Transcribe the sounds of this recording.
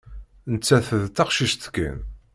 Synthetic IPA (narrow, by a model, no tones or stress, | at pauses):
nət͡sːæθəðt̪ːɑqʃiʃt̪kːə̰n